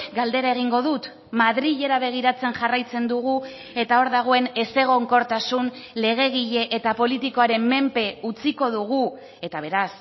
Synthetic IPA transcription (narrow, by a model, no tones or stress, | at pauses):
ɡald̪e̞ɾae̞ɣ̞iŋɡo̞ðut̪ | maðɾiʎe̞ɾaβ̞e̞ɣ̞iɾat͡se̞nʝarajt͡se̞nd̪uɣ̞u | e̞t̪ao̞ɾðaɣ̞o̞e̞ne̞se̞ɣ̞o̞ŋko̞ɾt̪asunle̞ɣ̞e̞ɣiʎe̞ʔet̪apo̞lit̪iko̞aɾe̞mːe̞mpe̞ut͡siko̞ðuɣu | e̞t̪aβ̞e̞ɾas